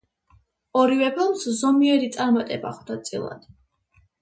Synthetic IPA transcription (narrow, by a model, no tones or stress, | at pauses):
ɔɾivɛpʰɛlˠmszɔmiɛɾit̪sʼaɾmat̪ʼɛba̰χd̪at̪sʼḭlˠa̰d̪̥